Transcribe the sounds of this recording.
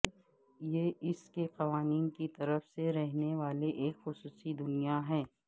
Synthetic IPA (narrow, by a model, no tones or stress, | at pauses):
jeɪskeqɐʋaːniːnkit̪ɐɾəfseɾɛɦneʋaːleʔeːkxʊsuːsid̪ʊnijaɦɛː